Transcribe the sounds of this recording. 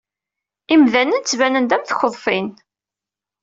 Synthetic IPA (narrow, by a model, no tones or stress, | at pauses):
imðænənt͡sːvænənd̪æmθçəðˤfɪn